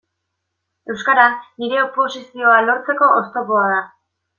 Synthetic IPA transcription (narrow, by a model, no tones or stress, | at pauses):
e̞wskaɾanːiɾe̞opo̞sisio̞alo̞ɾt͡se̞ko̞ʔost̪o̞po̞að̞a